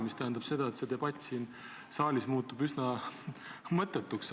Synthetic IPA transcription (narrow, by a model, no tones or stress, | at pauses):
mist̪æɦend̪ɑb̥se̞d̪̥ɑe̞t̪se̞d̪e̞b̥ɑt̪ʲːˑsin | sɑːlʲismuːt̪ːub̥ysnɑ | mɤt̪ːˑet̪ːˑuks